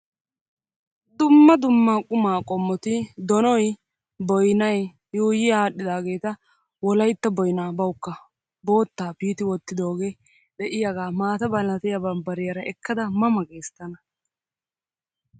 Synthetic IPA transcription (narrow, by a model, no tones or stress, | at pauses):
d̪ʊmːɐd̪ʊmːaːkʼʊmaːkʼɔmːɔt̪ɪd̪ɔnɔj | bɔjnɐj | juːjɪjaːɗːɪd̪aːɡe̞ːt̪ɐ | wɔlɐjt̪ːɐbɔjnaːbɐwʊkːɐ | bo̞ːt̪ːaːpiːt̪ɪwɔt̪ːɪd̪o̞ːɡeː | d̪ɛʔɪjɐɡaːmaːt̪ɐbɐlɐt̪ɪjɐbɐmbɐɾɪjɐɾɐɛkːɐd̪ɐmɐmɐɡʼe̞ːst̪ːɐnɐ